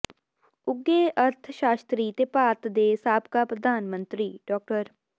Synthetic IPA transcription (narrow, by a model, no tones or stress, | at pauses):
ʊɡeːʔəɾt̪ʰʃaːst̪ɾiːt̪eːpaːt̪d̪eːsaːpkapɾəd̪ʱaːnmə̃nt̪ɾiːɖɔːk̚ʈəɾ